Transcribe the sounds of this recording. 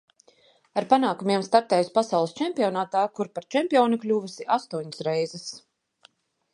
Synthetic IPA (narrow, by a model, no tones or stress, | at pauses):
aɾpanaːkumʲiɛmst̪aɾt̪ɛːjuspasawlˠɨst͡ʃɛmpiɔnaːt̪aːkuɾpaɾt͡ʃɛmpiɔːniklʲuːvɨsiʔast̪uɔɲsɾɛjzɛs